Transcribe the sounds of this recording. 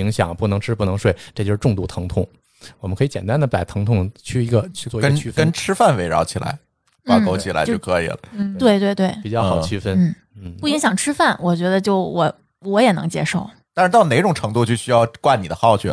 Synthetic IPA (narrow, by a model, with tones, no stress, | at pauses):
i˧˥ŋɕjɑ̰˨˩ŋpu˥˩nɤ˧˥ŋʈ͡ʂʰɻ̩˥pu˥˩nɤ˧˥ŋʂwe˥˩ɪʈ͡ʂɤ˥˩t͡ɕjo˥˧ʂɻ̩˥ʈ͡ʂʊ˥˧ŋt̪u˥˩t̪ʰɤ˧˥ŋt̪ʰʊ˥˩ŋ | wɔ˨˩ə˦nkʰɤ˧˥i˧˩t͡ɕjɛ˨˩nt̪a˥nd̪ə˨pa˨˩ɪt̪ʰɤ˧˥ŋt̪ʰʊ˥˩ŋt͡ɕʰy˥˩i˧˥ɡə˧t͡ɕʰy˥˧t͡swɔ˥˩˧ə˥ɡn˥t͡ɕʰy˥fə˥nʈ͡ʂʰɻ̩˥fa˥˩nwe˧˥ɪɻɑ̰˧˥ʊt͡ɕʰi˨˩lʔa̰˧˥ɪ | pɑ˥˧˩ko˥ʊt͡ɕʰi˨˩a˧˥ɪt͡ɕo˥˩kʰɤ˧˥ḭ˨˩lə̰˦˥˩t̪we˥˧ɪt̪we˥˧ɪt̪we˥˩ɪpi˨˩t͡ɕjɑ˥˩xɑ˨˩ət͡ɕʰy˥fə˥nn̩˥˩ | nn̩˥˩pu˥˩i˧˥ŋɕjɑ˨˩ŋʈ͡ʂʰɻ̩˥fa˥˩nwɔ˨˩t͡ɕɥɛ˧˥d̪ə˧t͡ɕjo˥˩ʊwɔ˧˩ | wɔ˧˥jɛ˨˩nɤ̰˧˥ŋt͡ɕjɛ̰˥ʂo˥˩ʊ | t̪a˥˧nɻ̩˥˧t̪ɑ˥˩ʊne˨˩ɪʈ͡ʂʊ˨˩ŋʈ͡ʂʰɤ˧˥ŋt̪u˥˧˩t͡ɕjo˥˧ʊɕy˥jɑ˥˧ʊkwa˥˩ni˨˩d̪ə˦xɑ˥˧ʊt͡ɕʰy˥˩